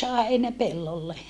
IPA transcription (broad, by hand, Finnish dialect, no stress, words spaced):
sɑˑe heinæpelːolːe